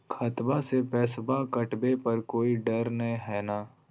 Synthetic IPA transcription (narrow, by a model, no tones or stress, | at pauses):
kʰɐt̪basepɛːsbakɐʈbepɐɾkoːiɖɐɾnɐɦĩɦɛːnaː